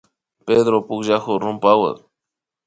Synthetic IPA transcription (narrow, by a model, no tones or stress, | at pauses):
peːd̪ɾopʊkʒaxoɾʊmpawə̰